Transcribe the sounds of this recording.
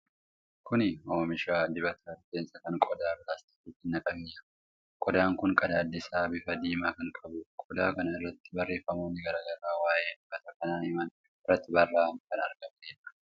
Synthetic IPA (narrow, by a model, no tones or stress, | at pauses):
kʊnɪoːmɪʃaːd̪ɪbɐt̪ʰɐɾd̪eːnsɐkɐŋkʼɔd̪aːbɪlaːst̪ɪ̥t̪iːt̪ːɪnːɐkʼɐmɪjɐ | kʼɔd̪aːŋkʊŋkʼɐd̪aːd̪ːɪsaːbɪfɐd̪iːmaːkɐŋkʼɐbʊkʼɔd̪aːkɐnɐɪrːɐt̪ːɪ̥bɐrːe̞ːfːɐmoːnːɪɡɐɾaːɡɐɾaːwaːʔe̞ːd̪ɪbɐt̪ɐkɐnaːhɪmɐn | ɪrːɐt̪ːɪbɐrːaːɐmkɐnɐ̰ɾɡɐmt̪eːnːɐ̥